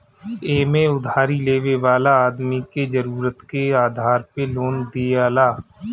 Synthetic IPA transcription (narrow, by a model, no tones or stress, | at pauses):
eːmẽʊd̪ʱaːɾileːʋeʋaːlaaːd̪miked͡ʒɐɾuːɾət̪keaːd̪ʱaːɾpeloːnd̪eaːlaː